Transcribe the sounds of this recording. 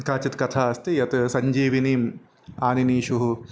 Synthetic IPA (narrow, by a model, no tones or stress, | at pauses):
kaːt͡ʃit̪kɐt̪ʰaːɐst̪ijɐt̪sɐɲd͡ʒiːʋiniːm | aːniniːʃuɦu